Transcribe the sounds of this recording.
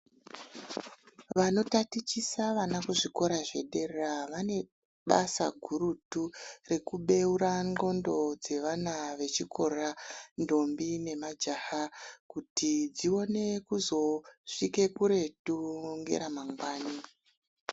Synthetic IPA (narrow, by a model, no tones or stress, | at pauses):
ʋano̞tatit͡ʃisaʋanakuʐiko̞ɾaʐe̞̰ɗe̞rraʋane̞ | ɓa̰sa̰ɡʱuɾuture̞kuɓe̞uɾaŋo̞ndo̞d͡ze̞ʋanaʋe̞t͡ʃikʰo̞rando̞mbine̞mad͡ʒahakutid͡zio̞ne̞kuzo̞ʂike̞kuɾe̞tuŋɡḛɾamaŋɡwaːni